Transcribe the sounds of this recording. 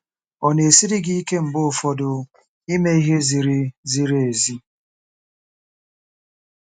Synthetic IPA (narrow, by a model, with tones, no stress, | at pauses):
ɔ˨ne˨si˦ɾi˦ɡi˦i˦ke˦m̩˨bʊ˦˨fɔ˦dʊ˨ | i˦me˦i˦ɦe˦zi˨ɾi˦zi˨ɾe˨zi˦